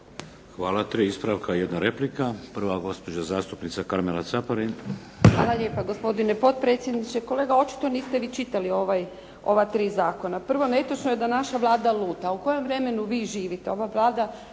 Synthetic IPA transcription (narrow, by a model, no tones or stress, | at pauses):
xʋaːlat̪ɾiispɾaʋkʰajed̪naɾe̞plikapr̩ʋaɡo̞spo̞d͡ʒazaːst̪upnit̪sakaɾmelat̪sapaɾin | xʋa̰ːlˠaʎe̞ːpaɡo̞spo̞d̪ine̞po̞t̪̚pɾet̪sje̞d̪nit͡ʃeko̞le̞ːɡao̞t͡ʃi̥t̪oniːst̪e̞ʋiːt͡ʃit̪alio̞ʋaj | o̞ʋat̪ɾiːzaːko̞napr̩ʋo̞net̪ot͡ʃnojed̪anaʃaʋlˠaːd̪alˠuːt̪auko̞jo̞mʋɾe̞me̞nuʋiːʒiːʋit̪eo̞ʋaʋlˠaːd̪a